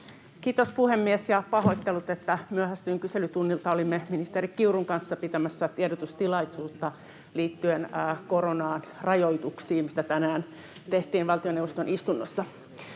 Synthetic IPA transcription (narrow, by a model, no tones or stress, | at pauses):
kiːt̪ospuhemːiesjɑpɑhoit̪ːelut̪et̪ːæmyøhæst̪yːŋkyselyt̪unːilt̪ɑolimːeminist̪eɾikkiuruŋkɑnsːɑpit̪æmæsːæt̪ieɾot̪ust̪ilɑisuːt̪ːɑ | liːt̪ːyenːkoɾonɑːnrɑjoit̪uksiːmmist̪æt̪ænæːn | t̪eht̪iːnʋɑlt̪ionewʋost̪onist̪unːosːɑ